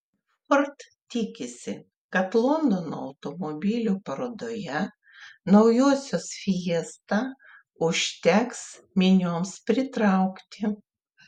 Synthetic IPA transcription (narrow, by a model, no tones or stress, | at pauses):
fɔɾt̪ | t̪ʲɪkʲɪsʲɪ | kɐt̪lˠɔnd̪ono̰ːɐʊt̪omobʲɪlʲuːpɐɾoːd̪oːjɛ | nɒʊjoɔsʲoːsfʲiɛst̪ɑ | ʊʃʲt̪ʲɛks | mʲɪnʲoːmspʲɾʲɪt̪ɾɑˑʊkt̪ʲɪ